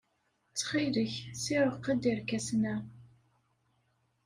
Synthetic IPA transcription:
t͡sːχiləçsiɾəʁqːəd̪iɾkæsnæ

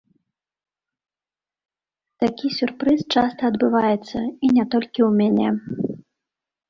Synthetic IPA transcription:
t̪akʲisʲurpɾɨst͡ʂast̪ɐːd̪bɨvajɛt̪sːɐ̰inʲɛt̪ɔlʲkʲiwmʲanʲɛ̰

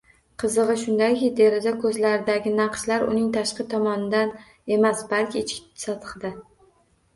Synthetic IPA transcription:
qʰɨzɨʁɨʃʊnd̪akʲɪd̪e̞ɾɪzakʰɵzlaɾɪd̪aɡʲɪnɑqʃlaɾʊ̰nɪŋt̪ʰaʃqɨt̪ʰɒmɒnɪd̪an | e̞masbalkʲɪːt͡ʃʰkʲɪ̥sɒt̪ʰɨ̥χd̪ɪ

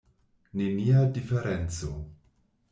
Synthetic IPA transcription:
nemiadifeɾent͡so

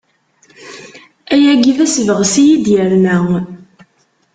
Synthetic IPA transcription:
æjæɡiðæsəvəʁsijid̪jəɾnæ

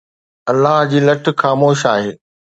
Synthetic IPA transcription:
ɐlːaːɦd͡ʑiːlɐʈ̆ʰxaːmoːʃaːɦeː

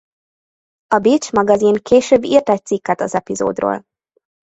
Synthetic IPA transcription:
ɒbiːt͡ʃmɒɡɒzinkʰeːʃøːbːirt̪ɛc̚t̪sikːɛt̪ɒzɛpizo̰ːd̪ro̰ːl

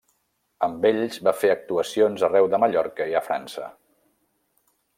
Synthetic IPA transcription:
əmbeʎzβafeək̚t̪uəsionzərɛwðəməʎɔɾkəiəfɾa̰nsə̰

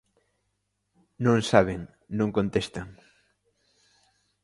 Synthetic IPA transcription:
nõŋsaβ̞eŋ | nõŋkont̪est̪aŋ

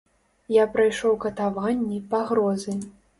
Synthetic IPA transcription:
japɾajʂɔwkɐt̪avanʲːipaɣɾɔzɨ

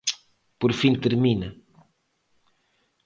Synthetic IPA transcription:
poɾfĩnt̪eɾmĩnɐ

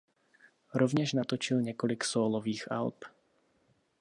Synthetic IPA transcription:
ɾɔvɲɛʒnat̪ɔt͡ʃilɲɛkɔliksɔːlɔʋiːɣa̰lp

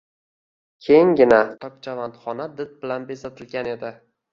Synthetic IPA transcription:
kʲʰe̞jŋɡʲɪnat̪ʰɒk̚t͡ʃʰavant̪χɒnad̪ɪd̪̚bɪlanbesat̪ʰɪlɡʲane̞d̪ɪ

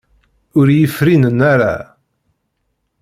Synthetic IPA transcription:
ʊɾjəfɾinənːaɾa̰

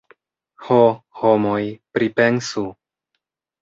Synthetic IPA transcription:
hohomojpɾipe̞nsu

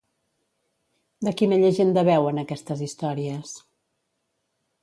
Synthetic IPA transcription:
d̪əkineʎəʒend̪əβɛwənəkɛst̪əzist̪ɔɾiəs

